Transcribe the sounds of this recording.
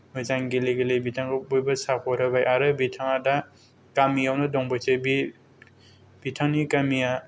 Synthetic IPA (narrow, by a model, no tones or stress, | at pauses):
mɯzaŋɡeleɡelebitʰaŋɡɯbujbɐsapʰɔɾabajʔaɾɯbitʰaŋada | kamijawnɯdɔŋbɯsebi | b̥itʰaŋnikamija